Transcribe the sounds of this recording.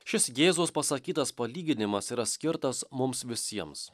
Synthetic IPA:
ʃʲɪsɡʲeːzoːspɐsɐkʲiːt̪ɐspɐlʲiːɡʲɪnʲɪmɐsiːɾɐsʲkʲɪɾt̪ɐsmʊmsʋʲɪsʲiɛms

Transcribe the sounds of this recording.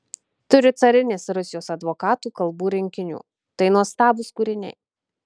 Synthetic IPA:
t̪ʊɾʲɪt̪sɐɾʲɪnʲeːsɾʊsʲɪjoːsɐd̪ʋoːkɑːt̪uːkɐlˠbuːɾʲɪŋʲkʲɪnʲṵː | t̪ɐɪnuɔst̪ɑːbʊskuːɾʲɪnʲɛ̰ɪ

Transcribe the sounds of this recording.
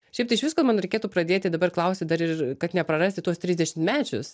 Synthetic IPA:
ʃʲɛɪpt̪ɐɪʃʋʲɪskomɐnɾʲɐɪkʲeːt̪uːpɾɐd̪ʲeːt̪ʲɪd̪ɐbɐrklˠɐʊsʲɪd̪ɐɾɪkɐt̪nʲɛpɾɐrɑːsʲt̪ʲɪt̪uɔst̪ʲɾʲiːzd̪ʲɛʃʲɪmt̪mʲæːt͡ʃʲʊs

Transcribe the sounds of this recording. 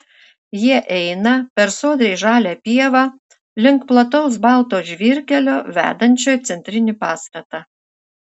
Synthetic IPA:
jiɛʔɛɪnɐpʲɛɾsoːd̪ʲɛɪʒɑːlʲæːpʲiɛʋɑ | lʲɪŋkplˠɐt̪ɔʊsbɑˑlˠt̪oːʒʲʋʲiːɾʲkʲɛlʲoːʋʲæ̰ːd̪ɐnʲt͡ʃʲoːjt̪sʲɛnʲt̪ʲɾʲɪnʲɪpɑːst̪ɐt̪ɑ

